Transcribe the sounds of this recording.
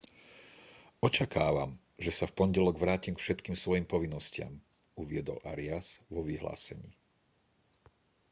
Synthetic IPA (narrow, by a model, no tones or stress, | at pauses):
ɔt͡ʃakaːʋa̰m | ʒɛsafpɔɲɟɛlɔɡʋɾaːcimkfʃɛt̪kiːmsʋɔjimpɔʋinːɔscɪa̰m | uʋɪɛd̪ɔ̰lʔaɾiaz̥ʋɔʋiɦla̰ːsɛ̰ɲḭː